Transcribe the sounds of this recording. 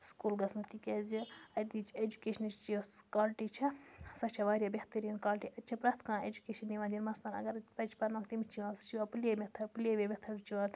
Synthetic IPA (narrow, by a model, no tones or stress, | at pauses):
skuːlɡɐsnut̪ikʲezʲiɐt̪it͡ʃʰed͡ʒukeːʃɐnt͡ʃt͡ʃiskaːlʈit͡ʃʰɐsɐt͡ʃʰɐʋaːɾʲjabʲeht̪ɐɾiːnkaːlʈiʔɐtːt͡ʃʰɐpɾaːt̪ʰkãːeːd͡ʒukeːʃɐnːiʋãːd̪ʲinmɐst̪ɐnɐ̰ɡɐɾpɐt͡ʃʰpɐɾnãːkt̪imit͡ʃʰiʋãst͡ʃʰiapɨlemʲet̪ʰɐpɨlʲeʋʲebʲet̪ʰɐɾt͡ʃʰiʋat̪ʰ